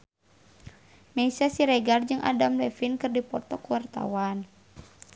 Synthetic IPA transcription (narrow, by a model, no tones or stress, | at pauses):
mɛisasiɾɛɡard͡ʒɨŋʔa̰damlɛfinkɨrdipɔrt̪ɔkuwart̪a̰wan